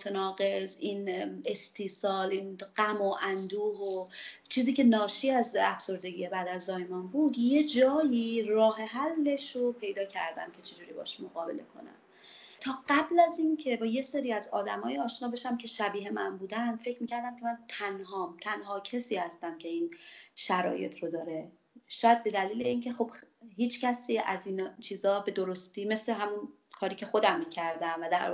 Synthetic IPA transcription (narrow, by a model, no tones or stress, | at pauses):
mot̪ʰenɒːɣe̞ziːnest̪ʰiːsɒːliːnɢ̥æmoʔænd̪uːhot͡ʃʰiːziːcʰe̞nɒːʃiːæzæfso̞ɾd̪e̞ɟije̞bæd̪æzːɒːjmɒːnbuːd̪je̞d͡ʒɒːjiːrɒːɦe̞ɦælːe̞ʃopʰe̞jd̪ɒːcʰæ̰ɾd̪æ̰mcʰe̞t͡ʃʰe̞d͡ʒuːɾiːbɒ̰ʃmoɣɒːbe̞le̞̰kʰo̞̰næ̰m | t̪ʰɒːɢæblæzincʰe̞bɒːje̞seːɾiːæzɒːd̪æmɒːjeɒːʃnɒːbe̞ʃæmcʰe̞ʃæbiːɦe̞mæ̰nbuːd̪ænfe̞cʰɾmiːcʰæɾd̪æmcʰe̞mænt̪ʰænɦɒːmt̪ʰænɦɒːcʰesiːhæst̪æmcʰe̞iːnʃæɾɒ̰ːje̞̰t̪ʰɾod̪ɒːɾe̞ | ʃɒːjæd̪̚be̞d̪æliːle̞iːncʰe̞xo̞b̥hiːt͡ʃʰcʰæsiːʔæ̰zint͡ʃʰiːzɒːbe̞d̪oɾost̪iːme̞seɦæmun | kʰɒːɾiːcʰexo̞d̪æmːiːcʰæɾd̪æmvæd̪æɾ